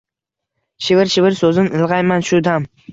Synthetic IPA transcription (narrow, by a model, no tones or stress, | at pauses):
ʃɪvɪɾʃɪvɪɾsɵzɪnɪlˠʁɑjmanʃʊd̪am